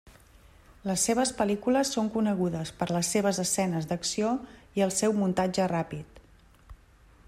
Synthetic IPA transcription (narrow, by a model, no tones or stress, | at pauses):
ləsːeβəspəlikuləsːoŋkunəɣuðəspəɾləsːeβ̞əzəsɛnəzd̪əksioiəlˠsɛwmunt̪ad͡ʒərapit̪